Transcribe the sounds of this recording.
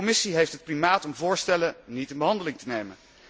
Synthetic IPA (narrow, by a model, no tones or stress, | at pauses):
ɔmɪsiɦejftɦət̚primaːtɔmvʊːɹstɛlənitənbəɦɑndəlɪŋtənejmən